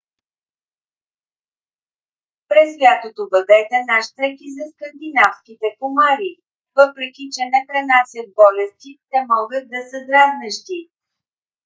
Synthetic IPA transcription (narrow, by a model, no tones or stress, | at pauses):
pɾɛsvjat̪ot̪obɐd̪ɛt̪ɛnaʃt̪ɛkizɐskənd̪inafskʲit̪ɛkomaɾi | vɤpɾɛk̟ʲit͡ʃɛnɛpɾɛnasʲjət̪̚bɔlɛst̪it̪ɛmɔɡət̪̚d̪ɐsəd̪ɾaznəʃt̪i